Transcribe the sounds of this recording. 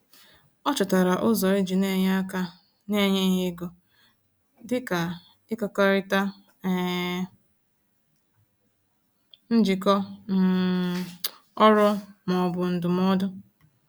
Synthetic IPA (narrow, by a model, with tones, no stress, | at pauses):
ɔ˦t͡ʃʊ˨ta˨ɾa˨ʔʊ˦zɔ˨i˦d͡ʒi˨ne˦ɲ˦a˦ka˦ | ne˦˨ɲe˦ɦɪ˦ɡo˨ | dɪ˦ka˨ | ɪ˦kɔ˨ka˦ɾɪ˦ta˦ | n̩˦d͡ʒi˨kɔ˦m̩˨˦ | ɔ˦ɾɔ˦mɔ˨bʊ˨n̩˨dʊ˨m˦ɔ˦dʊ˦